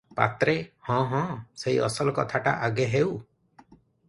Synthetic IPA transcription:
pa̰t̪ɾehɔ̃ɦɔ̃seiɔ̰sɔlɔkɔt̪ʰaʈa̰ʔaɡeɦew

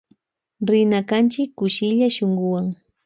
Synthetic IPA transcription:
ɾɪnakant͡ʃɪkːʊʃɪʎaʃoɴɢʊwaŋ

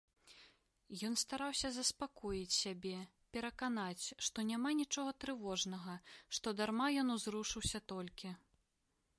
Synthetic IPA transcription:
jɔnst̪aɾawsʲɐzɐspakɔjit͡sʲsʲabʲɛ | pʲɛɾɐkanat͡sʲʂt̪ɔnʲamanʲit͡ʂɔɣɐt̪ɾɨvɔʐnɐɣɐʂt̪ɔd̪armajɔnuzɾuʂɨwsʲɐt̪ɔlʲkʲi

